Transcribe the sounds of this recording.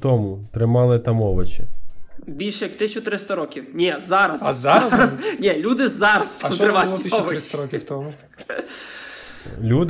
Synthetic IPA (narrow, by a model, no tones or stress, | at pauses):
t̪ɔmʊt̪ɾɪmɑlˠɪt̪ɐmɔʋɪt͡ʃɪbʲilʲʃɛjɐkt̪ɪt͡ʃʲːʊt̪ɾɪst̪ɐɾɔkʲiwnʲɛzɑɾɐzɾɐznʲɛlʲud̪ɪzɑɾɐz̥t̪ɾɪmɑɔʋɪɪsɐɾɔt̪ɔmʊ | lʲud̪